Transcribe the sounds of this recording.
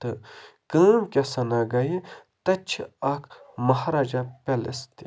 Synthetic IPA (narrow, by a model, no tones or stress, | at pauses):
t̪ɨkəːmkʲɐsɐnaɡɐje | t̪ɐt͡ʃʰɐkʰmɐɦɾaːd͡ʒapelḛst̪i